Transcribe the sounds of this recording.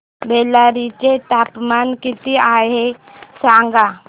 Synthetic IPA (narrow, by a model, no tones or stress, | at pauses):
beːlaɾit͡ʃet̪aːpmankɪt̪iaːe | sãːŋɡa